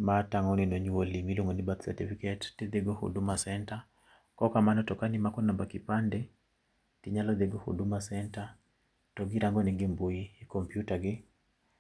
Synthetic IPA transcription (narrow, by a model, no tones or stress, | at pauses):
mataŋɔnenoɲuwolimiloŋonibat̪sɛ̰tifikɛtːid̪eɡohṵdumasɛnta | kɔkamanɔtɔkanimakɔnambakipandɛ | tiɲalɔd̪eɡohṵdumasɛnta | tɔɡiɾaŋɡɔniɡɪmbujiːkɔmpjutaɡɪ